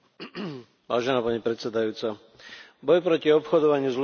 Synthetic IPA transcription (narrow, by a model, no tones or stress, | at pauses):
ʋa̰ːʒɛnaːpaɲipɾɛt̪sɛd̪ajuːt͡sa | bɔjpɾɔciɔpxɔd̪ɔʋaɲɪuzl